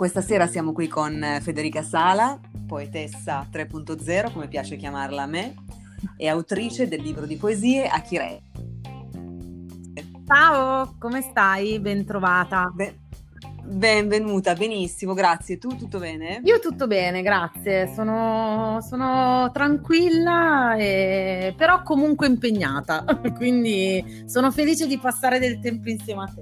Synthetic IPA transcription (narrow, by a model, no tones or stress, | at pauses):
kwest̪aseːɾasjaːmokwikʰonfed̪eɾiːkasaːla | poet̪ɛsːat̪ɾepːunt̪od̪zɛːɾokomepjaːt͡ʃek̟jamarlame | eawt̪ɾiːt͡ʃed̪elːiːbɾod̪ipoeziːeʔakːiɾɛ̰ | t͡ʃaːvokomest̪ajbent̪ɾovaːt̪abɛ | bɛɱvenuːt̪abenisːimoɡɾat̪sːjet̪ut̪ːut̪ːobɛːneiːot̪ut̪ːobɛːneɡɾat̪sːjesoːnosoːnot̪ɾaŋkwilːaepeɾɔkːomuŋkweimpeɲːaːt̪akwind̪i | soːnofeliːt͡ʃed̪ipasːaːɾed̪elt̪ɛmpoinsjɛːmeat̪ːe